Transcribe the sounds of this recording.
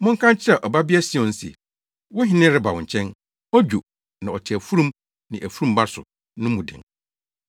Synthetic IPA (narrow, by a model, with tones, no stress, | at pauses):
mʊ̃˦ŋ̩˦kʰã˦nt͡ɕʰɪ˦ɾa˨ʔɔ˨ba˦bi˦ɛ˦si˦˨ɔ̃˨n̩˦sɛ̰˨ | wʊ̃˦ɦɪ̃˦nɪ̃˦ɾɪ˦ba˨wʊ̃˨ɲ̩˨t͡ɕʰɛ̃˦n | ɔ˦d͡ʑᶣo˨ | nã˨ɔ˨tʰɪ˨æ˨fu˦ɾũ˦m | nɪ̃˨ʔæ˨fu˦ɾũ˨mba˦sʊ̰˨ | nʊ̃˦mũ˨dɪ̰̃˨ŋ